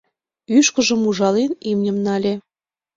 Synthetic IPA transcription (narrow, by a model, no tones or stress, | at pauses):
yʃkə̆ʒə̆muʒɑlenimnʲə̆mnɑlʲe